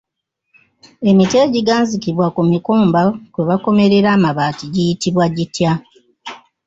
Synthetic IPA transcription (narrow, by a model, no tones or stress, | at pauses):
e̞mitjeɟiɡaːnzikiβwakumikoːmbakweβako̞me̞ɾe̞ɾaːmaβaːtiɟijitiβwaɟitja